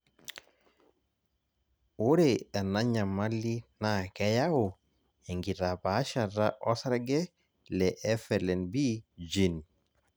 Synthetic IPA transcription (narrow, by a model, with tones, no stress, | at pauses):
wu˦ɾea˨na˦ɲa˨ma˦lːi˦nakɛ˦jawu˨ | ɛ˨ŋɡi˨ta˨pa˦ʃa˨ɾaʔɔ˦sa˦ɾɡɛ˦ | lɛʔɛ˦fɛlɛ˨nbi˦d͡ʒi˨n